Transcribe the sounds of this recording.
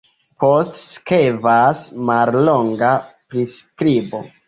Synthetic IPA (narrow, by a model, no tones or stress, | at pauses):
postskevasmalloŋɡapɾiskɾibo̞̰